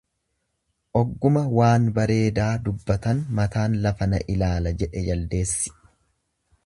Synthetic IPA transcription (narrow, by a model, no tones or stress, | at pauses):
ʔɔɡːʊmɐwaːnbɐɾe̞ːd̪aːd̪ʊbːɐt̪ɐnmɐt̪aːnlɐfɐnɐ̰ʔɪlaːlɐd͡ʒɛᶑɛjɐld̪e̞ːsːɪ̥